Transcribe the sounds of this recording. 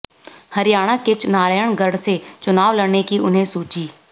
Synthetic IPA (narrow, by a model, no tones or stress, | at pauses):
hɐɾɪjaːɽ̃aket͡ʃnaːɾəjəɽ̃ɡəɽset͡ʃʊnaːʋlɐɽnekiʔʊnɦẽsuːt͡ʃiː